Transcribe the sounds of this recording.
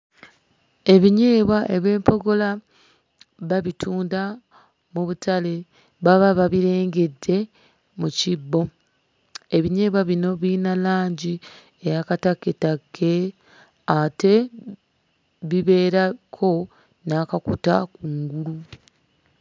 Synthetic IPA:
e̞βiɲe̞ːβwaʔeβe̞ːmpo̞ɡo̞la | βaβitʰuːnda | muβutale̞ | βaβaβaβiɾe̞ːŋɡe̞dːe̞ | mucibːo̞ | e̞βiɲe̞ːβwaβino̞βiːnalaːɲɟi | ejakatakːetakʰːe̞ | ate̞ | βiβe̞ːɾakʰo̞ | nakakutakuŋɡulu

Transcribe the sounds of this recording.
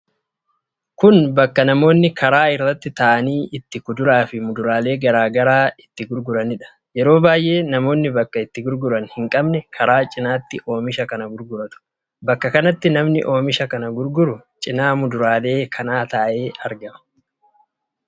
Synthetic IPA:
kʊnbɐkːɐnɐmo̞ːnːɪkʰɐɾaːɪrːɐt̪ːɪt̪ɐʔɐniːʔɪt̪ːɪkʊd̪ʊɾaːfɪmʊd̪ʊɾaːle̞ːɡɐɾaːɡɐɾaːɪt̪ːɪɡʊɾɡʊɾɐnɪᶑɐ̥ | jɛɾo̞ːbaːjʔe̞ːnɐmo̞ːnːɪbɐkːɐɪt̪ːɪɡʊɾɡʊɾɐnhɪŋkʼɐbnɛkʰɐɾaːt͡ʃʼɪnaːt̪ːɪʔo̞ːmɪʃɐkɐnɐɡʊɾɡʊɾɐt̪ʊ̥ | bɐkːɐkɐnɐt̪ːɪnɐmnɪ̰ʔo̞ːmɪʃɐkɐnɐɡʊɾɡʊɾʊt͡ʃʼɪnaːmʊd̪ʊɾaːle̞ːkʰɐnaːt̪ɐʔʔe̞ːɐɾɡɐmɐ̥

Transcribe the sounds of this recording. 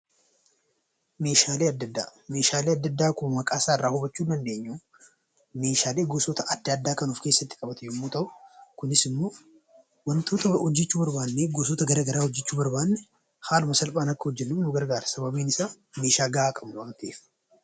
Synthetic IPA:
me̞ːʃaːleːɐd̪ːɐd̪ːa̰ːme̞ːʃaːleːɐd̪ːɐd̪ːaːkʊmɐmɐkʼaːsaːɪrːaːhʊbɐt͡ʃːuːnd̪ɐnd̪e̞ːɲːu | me̞ːʃaːleːɡoːsɔt̪ɐʔɐd̪ːɪɐd̪ːaːkɐnuːfke̞ːsːɐt̪ːɪkʼɐbɐt̪ɛjɔmːuːt̪ɐʔʊ̥kʊnɪsɪmːo̞ː | wɐnt̪oːt̪ɐhɔd͡ʒːɛt͡ʃːuːbɐɾbaːnːeɡoːs̬oːt̪ɐɡɐɾɐɡɐɾaːhɔd͡ʒːɛt͡ʃːuːbɐɾbaːnːɛ | haːlʊmɐsɐlpʼaːnɐkːɐhɔd͡ʒːɛnːʊmʊɡɐɾɡaːɾɐsɐbɐbiːnɪsaː | me̞ːʃaːɡɐaːkʼɐbʊwaːnt̪eːf

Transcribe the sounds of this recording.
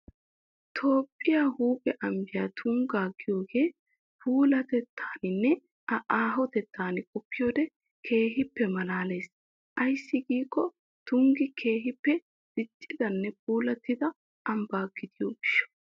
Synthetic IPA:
t̪ʰo̞ːpʼːɪjahuːpʼɛʔɐmbɪjaːt̪ʰʊŋɡaːɡɪjo̞ːɡe̞ː | pʰuːlɐt̪ɛt̪ʰːaːnɪnːɛ | ɐʔaːɦɔt̪ɛt̪ːaːnɪkʼɔpːɪjo̞ːd̪ɛ | kʰe̞ːɦɪpːɛmɐnaːle̞ːs | ʔɐjsːɪɡiːkʼːɔ | t̪ʊŋɡɪkʰe̞ːɦɪpːɛ | d̪̥ɪt̪ʼːɪd̪ɐnːɛpuːlɐt̪ːɪd̪ɐ | ʔɐmbaːɡɪd̪ɪjoːɡɪʃːɔ̥

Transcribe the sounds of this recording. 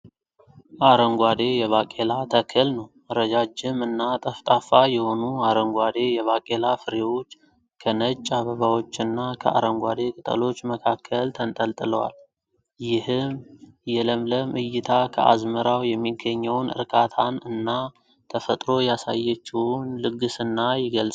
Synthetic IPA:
ʔaɾəŋɡʷad̪e̞jɛβakʼe̞lat̪ʰəkʰɨlnəw | əɾəd͡ʒad͡ʒɪmɨnːat̪ʼəft̪ʼafajɛho̞nuaɾəŋɡʷad̪e̞jɛβakʼe̞lafɨɾewo̞t͡ʃː | kʰənət͡ʃʼːaβəβawo̞t͡ʃːɨnːakʰə̰ʔa̰ɾəŋɡʷad̪e̞kʼɨt̪ʼə̰lo̞t͡ʃːməkʰakʰːəlt̪ʰənt̪ʼəlt̪ʼɨləwa̰l | jɪhɨmjɛləmləmʔɨjɪt̪ʰakʰəʔa̰zməɾawjɛmːiɡːəɲːɛwnɨ̰ɾkʰʼat̪ʰanɨnːa | t̪ʰəfət̪ʼɾo̞jasa̰jːɛt͡ʃːɪwʊnlɨɡːɨsɨnːajɪɡəlsʼ

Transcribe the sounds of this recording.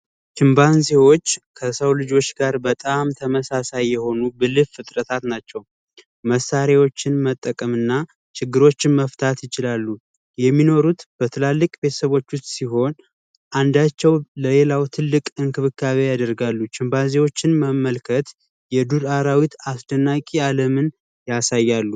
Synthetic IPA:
t͡ʃɨmbanze̞wo̞t͡ʃːkʰəsəwlɨd͡ʒo̞t͡ʃːɡaɾbət̪ʼamt̪ʰəməsasajːɛho̞nubɨlɨffɨt̪ʼɾət̪ʰat̪nat͡ʃːɛw | məsaɾewo̞t͡ʃːɪnmət̪ʼːəkʼəmɨnːa | t͡ʃʰɪɡːɨɾo̞t͡ʃːɪnməft̪ʰat̪jɪt͡ʃɪlalːu | jɛmːino̞ɾut̪b̥ət̪ʰɨlalːɨkʼbe̞t̪ʰə̥səβo̞t͡ʃːʊst̪siɦo̞n | ʔand̪at͡ʃːɛwləle̞lawt̪ʰɨlːɨkʼɨŋkɨβɨkʰːaβejad̪əɾɡalːut͡ʃɨmbazewo̞t͡ʃːɪnməmːəlkʰət̪ | jɛd̪uɾaɾawit̪asd̪ənːakʼialəmɨn | jasajːalːu

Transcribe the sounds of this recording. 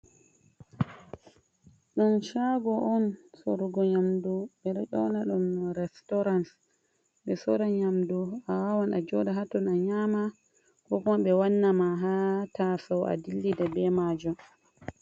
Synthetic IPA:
ɗunʃaɡɔʔɔnsoɾuɡɔɲamduɓɛɗɛʔɔnaɗumɾɛstɔɾans | ɓɛsɔɾaɲamduawawanad͡ʒɔdaɦatːɔnaɲaːma | kɔkɔɓɛwanːamaɦatasawa̰dilːidabɛmaːd͡ʒum

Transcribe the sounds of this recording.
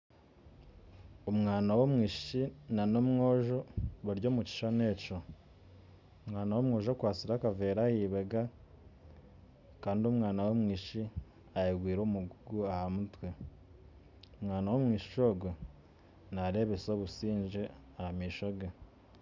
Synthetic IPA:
omŋaːnawomŋiːʃi̥ʃinano̞mŋo̞ːʒoβuɾɟo̞ːmuci̥ʃane̞ːco | omŋaːnawomŋo̞ːʒokwaːt͡siɾakave̞ːɾahiːβeɡa | kaːndiomŋaːnawomŋiːʃi | ajeɡwiːɾoːmuɡuɡuahamutwe | omŋaːnawo̞mŋiːʃi̥ʃo̞ɡo | naɾe̞ːβeso̞ːβusiːɲʒe | ahamiːʃoɡe

